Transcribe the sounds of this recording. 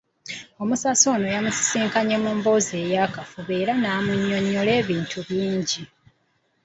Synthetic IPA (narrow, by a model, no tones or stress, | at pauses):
o̞musaso̞ːno̞jamusi̥siːŋkaɲe̞mumbo̞ze̞ːjakafuβe̞ːɾanaːmuɲːo̞ɲːole̞ːβiːntʰuβjiːɲɟi